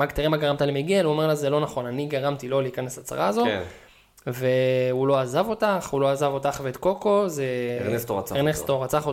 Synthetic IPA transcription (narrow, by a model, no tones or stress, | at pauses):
maɡt̪iʁimaɡaʁamt̪alemiɡeluome̞ʁlazelo̞naχo̞naniɡaʁamt̪ilo̞liːkanesat͡sa̰ʁaːzo̞ | ve̞ulo̞azavo̞t̪aχulo̞azavo̞t̪aχvet̪ko̞ko̞zeest̪oenest̪oʁat͡saχo